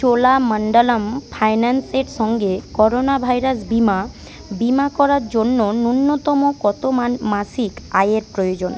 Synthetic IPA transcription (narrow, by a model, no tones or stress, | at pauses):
t͡ɕolaməɳɖalampʰajnanseɾʃɔŋɡekɔɾonabʱajɾasbima | bimakɔɾaɾd͡ʑonːonunːot̪ɔmokɔt̪omasikajeɾpɾojod͡ʑon